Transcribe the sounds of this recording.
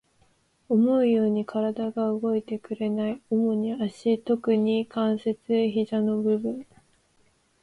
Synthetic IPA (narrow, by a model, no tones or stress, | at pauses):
o̞mo̞ɯ̟jo̞ːɲ̟ikʰaɾad̪aɡaɯɡo̞it̪e̞kɯ̟ɾe̞naio̞mo̞ɲ̟iaɕit̪o̞kɯ̟ɲ̟ikãɰ̃se̞t͡sɨçiʑano̞bɯ̟bɯ̟̃ɴ